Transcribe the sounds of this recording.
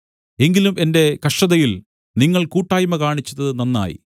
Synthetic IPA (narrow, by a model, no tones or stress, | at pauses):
e̞ŋɡilume̞nde̞kɐʂʈɐðɐjil | niŋːɐɭkuːʈːaːjumɐkaːɳit͡ɕːɐðɐðɨnɐnːa̰ːjḭ